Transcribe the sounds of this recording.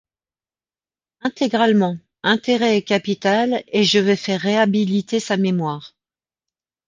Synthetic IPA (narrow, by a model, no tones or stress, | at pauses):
ɛ̃t̪eɡʁalmɑ̃ | ɛ̃t̪eʁɛːkʲapit̪aleʒəvɛfɛʁːeabilit̪esamemwaːʁ